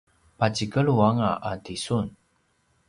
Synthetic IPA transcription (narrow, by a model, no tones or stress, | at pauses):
pat͡ɕikəɭuaŋaʔatisun